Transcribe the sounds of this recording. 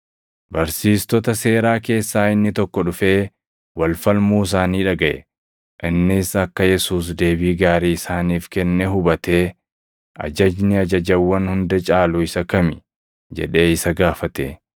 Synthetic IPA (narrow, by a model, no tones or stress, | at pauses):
bɐɾsiːst̪ɔt̪ɐse̞ːɾaːke̞ːsːaːɪnːɪt̪ɔkːɔᶑʊfe̞ː | wɐlfɐlmuːɪs̬aːniːᶑɐɡɐʔɛ̰ | ʔɪnːɪsɐkːɐjɛsuːs̬d̪e̞ːbiːɡaːɾiːɪsaːniːfkɛnːɛɦʊbɐt̪e̞ː | ʔɐ̰d͡ʒɐd͡ʒnɪɐd͡ʒɐd͡ʒɐwːɐnhʊnd̪ɐt͡ʃʼaːlʊɪsɐkɐmɪ | d͡ʒɛ̰ᶑe̞ːɪsɐɡaːfɐt̪ḛ